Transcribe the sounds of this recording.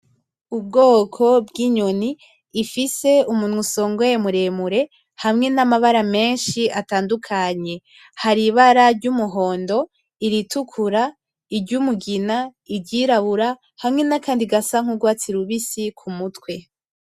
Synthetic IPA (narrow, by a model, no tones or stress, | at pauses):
ub̚ɡo̞ːkʰo̞bɡiɲoniː | fise̞umunhuso̞ːŋɡojemuɾe̞muɾe̞ | hamŋe̞namaβaɾame̞ːnʃiataːndukʰaɲe̞ | haɾiβaɾaɾɟumuɦo̞ːndo̞ | iɾitukʰuɾa | iɾɟumuɡinaiɟiɾaβuɾa | hamŋe̞nakaːndiɡasaŋ̥uɡwaːt͡siɾuβisikʰumutwe̞